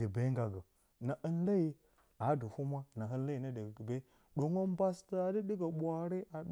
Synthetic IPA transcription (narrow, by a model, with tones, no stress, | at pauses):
i˨be˦ŋ˦ɡa˨ɡə˨ | na˨ʔə˦nla˦i˦ | a˨˦du˨hu˦ma˦na˨ɦə˦la˦i˨nə˦də˨ɡə˨be˦ | ɗo˨ŋo˦m˦ba˦sta˦a˨di˦di˦ɡa˨ɓʷa˦ɾe˦a˨˦